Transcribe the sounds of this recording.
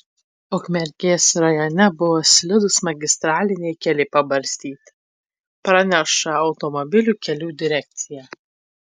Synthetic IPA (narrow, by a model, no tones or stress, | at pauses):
ɔkmʲɛɾʲkʲeːsɾɐjoːnʲɛbʊʋɔːsʲlʲɪd̪ʊsmɐɡʲɪst̪ɾɑːlʲɪnʲɛɪkʲɛlʲɪpɐbɐɾʲsʲt̪ʲiːt̪ʲ | pɾɐnʲæʃɐɐʊt̪ɔmɔbʲɪlʲuːkʲɛlʲuːd̪ʲɪɾʲæk̚ʲt̪sʲɪjæ